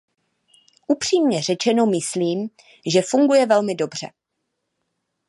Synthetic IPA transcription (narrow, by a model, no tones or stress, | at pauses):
ʔupr̝̥iːmɲɛr̝ɛt͡ʃɛno̞mɪsliːm | ʒɛfuŋɡujɛvɛlmɪdo̞br̝̥ɛ̰